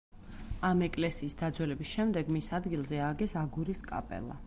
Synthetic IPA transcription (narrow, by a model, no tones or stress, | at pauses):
amɛkʼlɛsiːsd̪ad̪zwɛlɛbisʃɛmd̪ɛɡmisad̪ɡilˠzɛaɡɛsaɡuɾiskʼa̰pʼɛ̰lˠa̰